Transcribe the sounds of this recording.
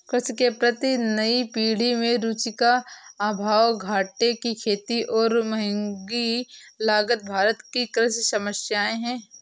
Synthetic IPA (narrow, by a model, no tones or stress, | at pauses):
kɾɪʃkepɾɐt̪inɐipiːɽ̤imẽɾuːt͡ʃikaaːbʱaːwɡʱaːʈekikʰeːt̪iʔɔːɾmɐɦɪ̃ŋɡilaːɡət̪̚bʱaːɾət̪kikɾɪʃsɐməʃjaːeɦɛ̃ː